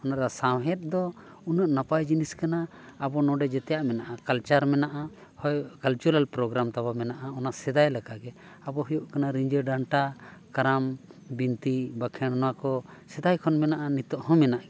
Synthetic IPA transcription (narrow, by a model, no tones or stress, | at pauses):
ɔnaʔɾasawɦɛt̪̚d̪ɔ | unaʔnapajd͡ʒiniskanaː | bɔnɔ̃ɖɛd͡ʒɛt̪ɛjaʔmɛnaʔakalt͡ʃaɾmɛnaʔa | hɔjkalt͡ʃuɾalpɾɔɡɾamt̪abamɛnaʔaɔnaʔsɛd̪ajlakaʔɡɛabɔɦɔjɔʔkanaɾiɲd͡ʒəɖaɳʈakaɾambint̪ibakʰɛɽnɔwakɔsɛd̪ajkʰɔnmɛnaʔanit̪ɔʔhɔ̃mɛnaʔɡɛ